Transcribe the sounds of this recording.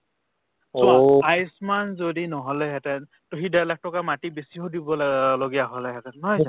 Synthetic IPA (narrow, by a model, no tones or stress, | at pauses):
sɔajsmanzodinɔɦɔlɛɦɛtɛn | toɦidalak̚tɔkamatibesiɦodibɔloɡijaɦɔlɛɦɛtɛnːɔja